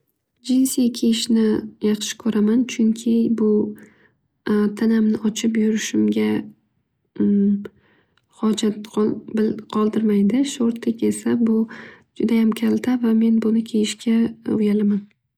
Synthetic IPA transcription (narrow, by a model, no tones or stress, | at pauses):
d͡ʒɪnsikʲʰejɪʃnɪjɑχʃɪ̥kʰɵɾʔamant͡ʃʰʊŋkʲʰɪbʊ | t̪ʰanamnɪʔɒt͡ʃʰɪpjʊɾɪʃɪmɡʲa | hɒd͡ʒat̪bɪlqʰɒlˠd̪ɪɾmajd̪ɪʃoɾt̪ʰlɪkʲe̞sabʊd͡ʒʊd̪ajamkʲʰalt̪ʰavame̞nbʊnɪkʲʰejɪʃkʲʰaʊjalaman